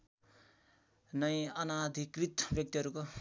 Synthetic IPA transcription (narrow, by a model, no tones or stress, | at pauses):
nʌjʌnad̪ʱikrit̪bjʌk̚t̪iɦʌɾuko